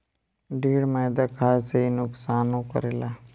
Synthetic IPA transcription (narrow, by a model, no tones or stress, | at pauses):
ɖiːɽmãd̪akʰaːseinʊksaːnũkə̰ɾela